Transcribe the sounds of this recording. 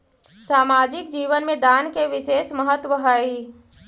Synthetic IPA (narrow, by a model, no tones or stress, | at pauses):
saːmaːd͡ʒɪkd͡ʒiːʋənmẽd̪aːnkeʋɪʃeːsməɦət̪wəɦəi